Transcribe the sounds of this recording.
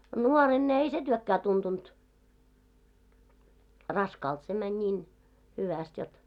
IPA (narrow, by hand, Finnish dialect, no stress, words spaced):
nuoren ne ei se tyøkːæː tuntunt rɑskɑːlt se mænʲ nʲiːn hyʋæst jot